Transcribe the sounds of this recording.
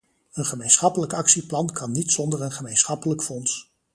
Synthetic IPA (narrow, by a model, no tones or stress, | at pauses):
ənχəmejnsχɑpələkɑksiplɑnkɑnːitsɔndəɹənχəmejnsχɑpələkfɔns